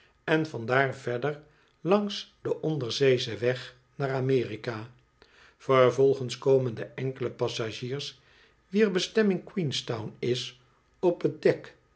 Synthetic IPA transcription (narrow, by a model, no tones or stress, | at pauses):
ɛnvɑndaːɹvɛɹdəɹ | lɑŋsd̥əʔɔndəɹzejzəʋɛχ | naːramɪːrikaː | fərvɔlˠχənskowməndəʔɛŋkələpɑsaʒiːɹs | ʋiəɹbəstɛmɪŋkwinstawnɪs | ɔpət̚dɛk